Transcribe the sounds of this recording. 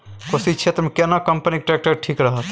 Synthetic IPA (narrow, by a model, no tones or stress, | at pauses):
kosit͡ʃʰet̪ɾəmekenakəmpənikʈɾek̚ʈəɾʈʰiːkɾəɦət̪